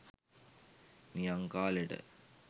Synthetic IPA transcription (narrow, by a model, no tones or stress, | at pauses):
nijaŋkaːleʈə̰